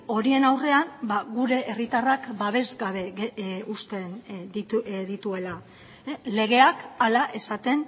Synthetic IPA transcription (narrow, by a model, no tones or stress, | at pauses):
o̞ɾie̞nawre̞ambaɣuɾe̞ʔːrit̪arakbaβ̞e̞zɡaβe̞ɣust̪e̞nd̪iðit̪ue̞la | le̞ɣ̞e̞akalaʔe̞sat̪e̞n